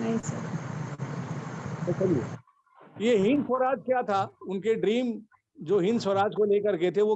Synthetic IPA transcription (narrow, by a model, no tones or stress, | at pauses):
nɐɦĩsɐɾ | bɐt͡ʃɐliḛ | jeɦɪ̃nsəɾaːd͡ʒkjat̪ʰaʊnkeɖɾiːm | d͡ʒoːɦɪ̃nsəɾaːd͡ʒkoleːkəɾket̪ʰeʋo